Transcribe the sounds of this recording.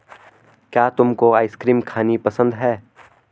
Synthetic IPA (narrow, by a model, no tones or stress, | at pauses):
kjaːt̪ʊmkoaːɪskɾiːmkʰaːnipɐsə̃nd̪ɦɛː